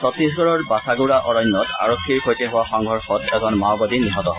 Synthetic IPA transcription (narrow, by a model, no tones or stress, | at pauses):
sɔt̪is̬ɡɔɹɔɹbasaɡuɹaʔɔɹɔnːɔtʰa̰ɹokʰːiɹxojtɛɦʊwaxɔŋɡʱɔɹxɔtɛzɔnmawbadiniɦɔtɔɦɔ